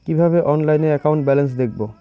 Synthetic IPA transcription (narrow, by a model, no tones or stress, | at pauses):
kibʱabeʔɔnlajneɛkaw̃ɳʈbɛlens̬d̪ek̚bo